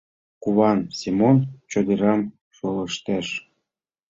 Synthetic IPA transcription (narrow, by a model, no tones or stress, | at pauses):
kuβɑnsimont͡ɕod̪eɾɑm | ʃolɤʃt̪æʃ